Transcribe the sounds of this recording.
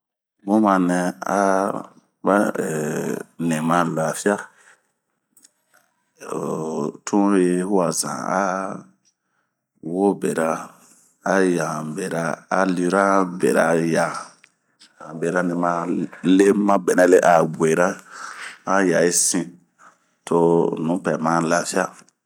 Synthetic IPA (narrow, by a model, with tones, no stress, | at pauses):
bõ˦mã˧nɛ̃˧a̰˦ | ba˦˨ | nẽ˨mã˧la˨fi˦a˦˨ | tʰũ˦je˧˦hu˦a˨zã̰˨a̰˦ | wo˦be˨ɾa˧ | a˦jã˨be˨ɾa˧a˨li˦ɾa˦bḛ˨ɾa˨jã˨ | a˨be˨ɾa˦nĩ˨mã˧le˦mã˦bɛ˨nɛ̃˨le˦ʔa˨ɡ͡bwe˨ɾa˦ | a˦ja˨i˦sĩ˧ | tʰo˧nũ˨˦pɛ˨mã˨la˨fi˦a˦